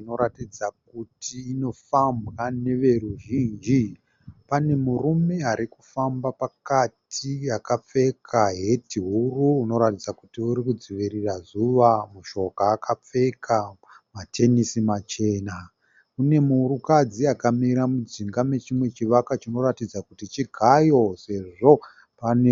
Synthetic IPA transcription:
ino̞ɾatid͡zak̚utʰiːno̞fambɣane̞ʋe̞ruʒiːnd͡ʒi | pane̞murume̞ɦaɾiku̥fambapakatʰijakap͡fe̞kʰaɦe̞tiɦuruːno̞ɾatid͡zakutiuɾikud͡ziʋirirazuʋamuʃo̞kaːkʰap͡fe̞kʰamatʰe̞nisimat͡ʃe̞ːna | une̞muɾukad͡ziakamiɾamud͡ziŋɡame̞t͡ʃimwe̞t͡ʃiʋakat͡ʃino̞ratid͡zakutit͡ʃiɡʱajo̞se̞ʐo̞ | pane

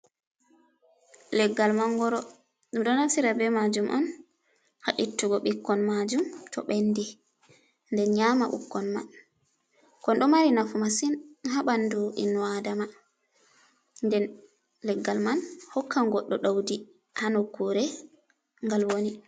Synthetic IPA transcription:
lɛɡːalmanɡɔɾɔ | ɗumɗɔnafsiɾabɛmad͡ʒumʔɔn | haɗitːuɡɔɓikːɔnmad͡ʒumtʰɔ̰ɓenːdi | ndɛnɲamaʔṵkːɔnma̰n | kɔnɗɔmaɾinafumasinɦaɓanduʔḭnwadama | ndɛn | lɛɡːalmanhɔkʰːaŋɡɔɗːɔɗawdi | hanɔkuɾɛ | ŋɡalwoni

